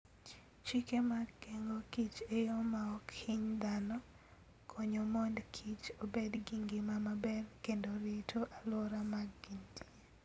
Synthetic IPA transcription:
t͡ʃikemaɡkeŋɡokit͡ʃejomaɔkʰɪɲd̪anɔ | kʰɔɲomondkʰit͡ʃobedɡiŋɡimamabɛrkendoɾitʰoʔalɔɾamaɡɡintʰie

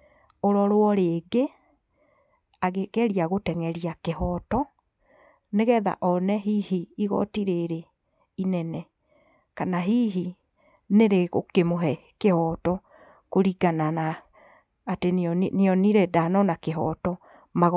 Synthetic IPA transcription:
oɾɔɾwɔɾeɡe | aɣeɣɛɾiaɣotɛŋɛɾiakehɔtɔ | neɣɛða̰ʔɔnɛɦihiːɣɔ̰tiɾeɾe | inɛnɛ | kanaɦiɦi | neɾeɣokemoɦɛ | kehɔtɔ | koɾiɡananaː | tenneɔniɾedanɔnakeɦɔ̰tɔ | maɣ

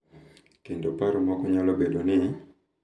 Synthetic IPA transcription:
kindopaɾomwakuɲalɔbɛdɔni

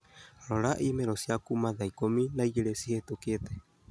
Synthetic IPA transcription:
ɾoɾaʔimɛɾosiakumaðaikominaiɡɛɾɛsihet̪oket̪ɛ

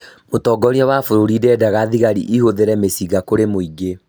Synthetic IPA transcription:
motɔːɡɔɾiawafoɾoɾidɛdaɣaðiɣaɾḭʔihoðeɾɛmesiɡakoɾemoiɡe

